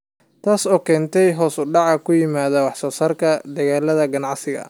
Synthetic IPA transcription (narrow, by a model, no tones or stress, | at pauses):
t̪ʰaːsɔːkʰɛːnt̪ʰɛjɦɔːsʊɖɑʕɑkʰʊjɪmaːðɐwɑħsɔːsɐrkʰɐd̪ɐɣaːlɐðɐɡɐnɑʕsɪɣɐ̰